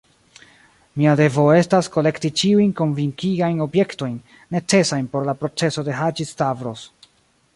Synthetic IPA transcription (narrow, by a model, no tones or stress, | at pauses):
miade̞vo̞e̞stasko̞le̞ktit͡ʃiujnko̞nviŋkiɡajno̞bje̞kto̞jnː | e̞t͡se̞sajnpo̞ɾlapɾo̞t͡se̞so̞de̞ɦad͡ʒistavɾo̞s